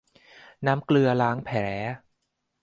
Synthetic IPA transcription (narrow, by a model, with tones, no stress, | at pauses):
naː˦˥mklɯ˧ɐlaː˦˥ŋpʰɛː˩˦